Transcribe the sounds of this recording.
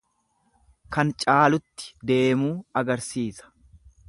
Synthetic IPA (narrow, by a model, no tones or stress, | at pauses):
kɐnt͡ʃʼaːlʊt̪ːɪ̥d̪e̞ːmuːɐɡɐɾsiːsɐ̥